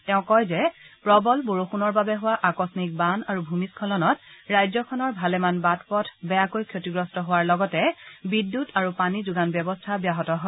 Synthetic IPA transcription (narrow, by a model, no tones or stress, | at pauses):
tɛʊ̃kɔjzɛpɹɔbɔlboɹoxunɔɹbabɛɦʊwaʔakɔsnik̚banaɹubʱumiskʰɔlɔnɔtɹajzɔkʰɔnɔɹbʱalɛmanbatʰpɔtʰbɛjakojkʰjotiɡɹɔstɔɦʊwaɹlɔɡɔtɛbidːutʰaɹupanizuɡanbɔbɔstʰabjaɦɔtɔɦɔ